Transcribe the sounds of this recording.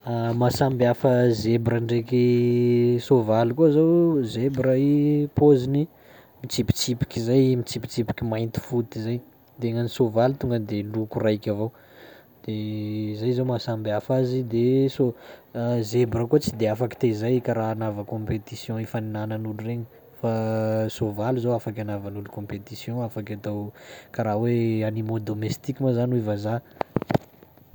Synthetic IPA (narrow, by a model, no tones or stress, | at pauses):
amasambiafəzebɾəɳɖ͡ʐeki | sovalikozowzebɾəipozini | mit͡sipi̥t͡sipi̥kʲizajmit͡sipi̥t͡sipi̥kʲimajnt̪i̥fut̪izaj | d̪̥eŋanisovalit̪uŋɡəd̪elukurajkʲavow | d̪̥ezajzawmasambafazid̪eso | zebɾəkot͡sid̪eafaki̥t̪ezajkaɾaːnavəkɔ̃pet̪isjɔ̃ifaninanənulureɲə | fasovaluzowafak̬ʲanavanulukɔ̃pet̪isjɔ̃afakʲat̪awkaɾaweanimod̪omest̪ikʲimazanivaza